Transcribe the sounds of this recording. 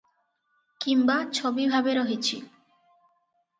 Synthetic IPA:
kimbat͡ɕʰobibʱabeɾoɦit͡ɕʰḭ

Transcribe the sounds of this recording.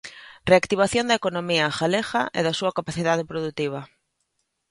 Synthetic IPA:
reakt̪iβ̞aθjond̪ɐekonomiaxalexɐʔɛ̰ðɐsuɐkapaθiðað̞epɾoðut̪iβ̞ɐ

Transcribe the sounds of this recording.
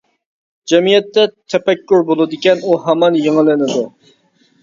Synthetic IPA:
d͡ʒɛmijɛt̪ːɛt̪ʰɛpɛkʲːuɾbolˠɨd̪ɪkʲɛnuɦɛmɑnjeŋɨlɪnɪd̪u

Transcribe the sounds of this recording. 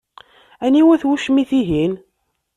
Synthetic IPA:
æniwæθwuʃmiθiɦin

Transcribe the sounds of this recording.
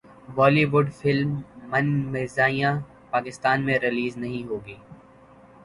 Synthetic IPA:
bɔːliːʋʊɖfɪlmːɐnmeːzaːijã | paːkɪst̪aːnmẽɾɪliːznɐɦĩɦoːɡiː

